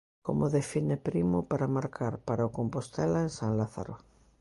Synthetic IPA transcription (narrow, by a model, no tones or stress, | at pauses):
ko̰moðefinepɾimʊpaɾamaɾkʰaɾpaɾaokompost̪elaensaŋlaθa̰ɾo